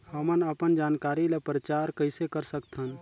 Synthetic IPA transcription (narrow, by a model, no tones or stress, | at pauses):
həmənəpənd͡ʒaːnkaɾilepɾət͡ʃaɾkəɪsekəɾsəkt̪ʰən